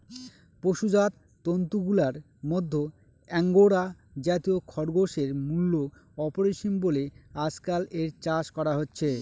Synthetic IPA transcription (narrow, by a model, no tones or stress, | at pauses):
poʃud͡ʑat̪ːont̪uɡulaɾ | mɔd̪ʱːo | ɛŋɡoɾa | d͡ʑat̪iokʰɔɾɡoʃeɾmulːo | ɔpoɾeʃinbolead͡ʑkaleɾt͡ɕaʃkɔɾaɦotːɕʰe